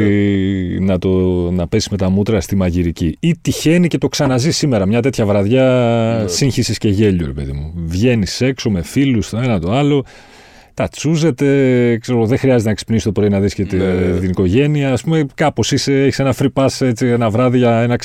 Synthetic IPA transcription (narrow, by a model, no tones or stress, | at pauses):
nɐt̪o̞nɐpe̞si̥zme̞t̪ɐmut̪ɾɐst̪imɐʝiɾiciit̪içe̞nice̞t̪o̞ksɐnɐzisːime̞ɾɐmɲɐt̪̬e̞t̪çɐvɾɐðʝɐsiɲçisisce̞ʝe̞ʎuɾe̞pe̞ðḭmuvʝe̞nise̞kso̞me̞filust̪oe̞nɐt̪o̞ɐlo̞ | t̪ɐt͡suze̞t̪e̞kse̞ɾoɣoðexɾiɐzet̪enɐksi̥pnisi̥t̪o̞pɾo̞inɐðisce̞t̪et̪iniko̞ʝe̞niɐːspume̞kɐpo̞sise̞eçi̥senɐfɾipɐse̞t͡sienɐvɾɐðiʝɐenɐk